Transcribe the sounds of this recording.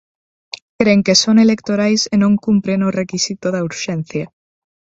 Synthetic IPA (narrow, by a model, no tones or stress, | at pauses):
kɾeŋkesonelek̚t̪oɾajsenõŋkumpɾenorekisit̪oðauɾʃen̟θja